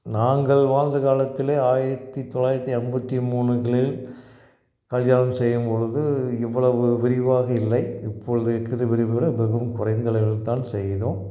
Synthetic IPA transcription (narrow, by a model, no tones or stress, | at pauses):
naːŋɡɐɭʋaːnd̪ɐkaːlɐt̪ːɪleːaːjɪɾɐt̪ːit̪ːɔlːaːjɪɾɐt̪ːiɛmbɐt̪ːimuːɳɯɣɐɭɪl | kɐljaːlɐmsɛjːɯmpɔɻɯðɯɛʋːɐɭɐʋɯʋɪɾɪʋaːɣɐɪlːɐɪɪpʰːɔɻɯðɯɛkːɪðɯʋɪɾɪʋɯʋɪɽɐbɛɣɯmkʊrɐɪnd̪ɐɭɐɪɣɐɭt̪aːnsɛjðõː